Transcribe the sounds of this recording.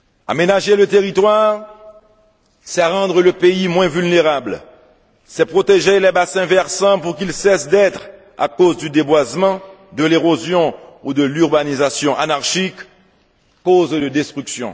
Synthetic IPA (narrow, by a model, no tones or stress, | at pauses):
a̰menaʒelət̪eʁit̪waʁ | sɛaʁɑ̃d̪ʁələpeimwɛ̃vylneʁabl | sɛpχot̪eʒelɛbasɛ̃vɛʁsɑ̃puʁkilsɛsd̪ɛt̪χ | a̰kozd̪yd̪ebwazmɑ̃ | d̪əleʁozjɔ̃ud̪əlyʁbanizasjɔ̃ʔanaʁʃikː | ozd̪əd̪ɛst̪χyksjɔ̰̃